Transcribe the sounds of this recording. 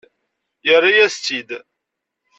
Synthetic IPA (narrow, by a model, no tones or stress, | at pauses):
jərˤːajæst͡s̪ːid̪